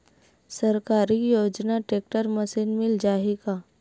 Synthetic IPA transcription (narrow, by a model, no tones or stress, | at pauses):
səɾkaɾiːjod͡ʑnaʈek̚ʈəɾməsiːnmild͡ʑaɦika